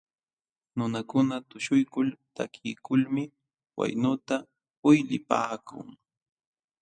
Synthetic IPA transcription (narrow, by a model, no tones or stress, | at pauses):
nʊnakʊnat̪ʊʃʊjkʊlt̪akʰɪːkʊlmɪ | wa̰jnʊt̪a | ʊjlɪpa̰ːkʊ̰ŋ